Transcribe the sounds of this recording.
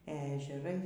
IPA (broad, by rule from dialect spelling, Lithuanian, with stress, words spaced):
ɛ ɛʒʲɛˈrɐɪ